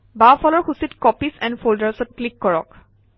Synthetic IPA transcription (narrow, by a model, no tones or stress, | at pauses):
bafʰɔlɔɹxusitkɔpisɛ̃ndfoldaɹsɔt̚klikːɔɹɔk